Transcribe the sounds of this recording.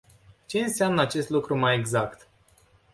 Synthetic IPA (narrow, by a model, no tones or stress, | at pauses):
t͡ʃe̞ɨnseamnəat͡ʃe̞st̪lukɾumaje̞ɡzakt̪